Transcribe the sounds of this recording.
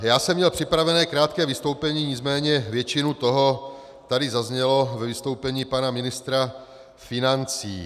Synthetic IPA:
jaːsɛmːɲɛlpr̝̥ɪpɾavɛnɛːkɾaːt̪̚kɛːvist̪o̞wpɛɲiːɲɪt͡smɛːɲɛvjɛt͡ʃinut̪oɦo | t̪adɪzazɲɛlovɛvist̪owpɛɲiːpanamɪnɪst̪ɾa | fɪnant͡sḭː

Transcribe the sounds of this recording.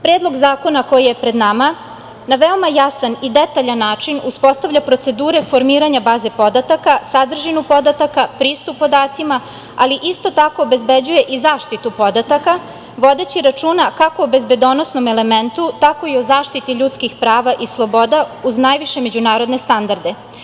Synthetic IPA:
pɾeːd̪lˠo̞ɡzaːko̞nako̞jije̞pɾe̞d̪nama | naʋeo̞majasanid̪et̪aʎanːaːt͡ʃinuspo̞st̪aʋʎʲapɾo̞t̪se̞d̪uːɾe̞fo̞ɾmiːɾaɲabaːze̞po̞d̪at̪akasad̪r̩ʒinupo̞d̪at̪akapɾiːst̪upːo̞d̪aːt̪sima | aliʔist̪o̞t̪ako̞ːbe̞zbed͡ʑuje̞ʔizaːʃt̪it̪upo̞d̪at̪aka | ʋo̞d̪e̞t͡ɕiɾat͡ʃuːnakako̞obezbe̞d̪o̞no̞snome̞le̞me̞nt̪ut̪ako̞iozaːʃt̪it̪iʎut̪skixpɾaːʋaʔislˠo̞bo̞d̪auznajʋiʃe̞me̞d͡ʑunaːɾo̞d̪ne̞st̪and̪aɾd̪e̞

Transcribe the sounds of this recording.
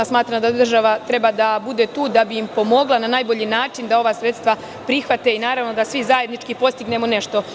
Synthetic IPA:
smaːt̪ɾamd̪ad̪r̩ʒaʋat̪ɾe̞bad̪abud̪e̞t̪uːd̪abiːmpo̞mo̞ɡlananaːjbo̞ʎinaːt͡ʃind̪ao̞ʋaːsɾe̞t̪st̪ʋa | pɾixʋat̪e̞inaːɾaʋno̞d̪asʋizaje̞d̪nit͡ʃkipo̞st̪iɡne̞mo̞ne̞ʃt̪o̞

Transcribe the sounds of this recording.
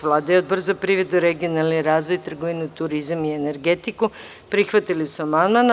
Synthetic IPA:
ʋlˠaːd̪ajeod̪̚br̩zapɾiʋɾed̪uɾeɡio̞nalˠniɾaːzʋo̞jt̪r̩ɡoʋinut̪uɾizamiene̞ɾɡet̪iku | pɾixʋat̪ilisuamanan

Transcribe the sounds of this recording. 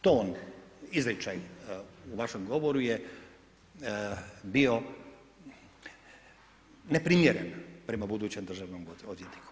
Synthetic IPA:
t̪oːnizɾit͡ʃajuʋaʃemɡo̞ʋoɾuje | bio̞ | ne̞pɾimjeɾenpɾe̞mabud̪uːt͡ɕemd̪ɾr̩ʒaʋnomod̪jet̪niku̥

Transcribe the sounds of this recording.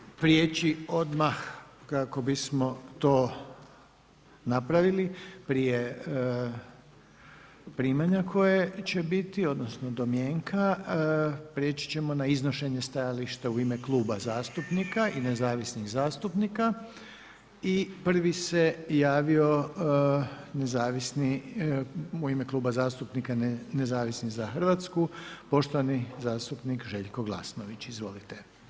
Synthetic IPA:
pɾjeːt͡ɕio̞d̪maxkako̞bismo̞t̪o̞ː | napɾaʋilipɾije̞ | pɾiːmaɲakʰo̞jet͡ɕe̞bit̪io̞d̪nosnod̪omjeːŋkʰa | pɾjeːt͡ɕi̥t͡ɕe̞mo̞naizno̞ʃe̞ɲest̪ajaliʃt̪auimeklˠuːbazaːst̪upnikainezaːʋisniɣzaːst̪upnika | ipr̩ʋisejaːʋio̞ | nezaːʋisni | uimeklˠuːbazaːst̪upnikanezaːʋisnizaxrʋat̪skupo̞ʃt̪oʋanizaːst̪upnikʒe̞ʎkoɡlˠa̰snoʋit͡ɕizʋo̞lit̪e

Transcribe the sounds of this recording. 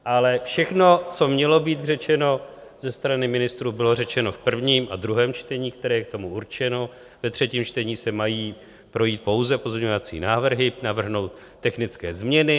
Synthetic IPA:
ʔalɛfʃɛxno̞t͡so̞mɲɛlo̞biːt̪r̝ɛt͡ʃɛno̞zɛst̪ɾanɪmɪnɪst̪ɾuːbɪlo̞rɛt͡ʃɛno̞fpr̩vɲiːmʔad̪ɾuɦɛːmt͡ʃt̪ɛɲiːk̚t̪ɛɾɛːjɛk̚t̪o̞muuɾt͡ʃɛno̞ | vɛt̪r̝̥ɛciːmt͡ʃt̪ɛɲiːsɛmajiː | pɾo̞jiːt̪̚po̞wzɛpo̞zmɲɛɲo̞vat͡sḭːnaːvr̩ɦɪnavr̩ɦno̞wt̪ːɛxnɪt͡skɛːzmɲɛnɪ

